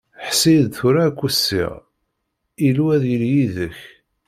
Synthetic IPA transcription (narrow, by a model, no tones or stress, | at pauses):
ħsid̪θʊɾakʷːusːḭʁ | iluwæðjəljiðəç